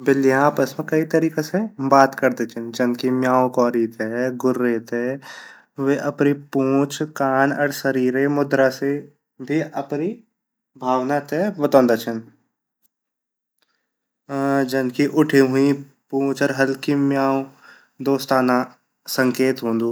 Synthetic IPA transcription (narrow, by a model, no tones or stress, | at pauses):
bɪlːiaːpəsmẽkɐit̪ɐɾiːkesebaːt̪kɐɾd̪et͡ʃʰɪnd͡ʒɐnkimjaːõkɔːɾit̪eɡʊɾːet̪e | ʋeʔɐpnipõːt͡ʃʰkaːnɐɾsəɾiːɾemʊd̪ɾase | bʱiɐpni | bʱaːʋnat̪eʋɐt̪ɔ̃ːnd̪at͡ʃʰɐn | d͡ʒɐnkiʔʊʈʰiɦʊĩ | pũːt͡ʃɔɾɦɐlkimjaːõ | d̪oːst̪aːna | sɐ̃ŋkeːt̪ɦõːnd̪uː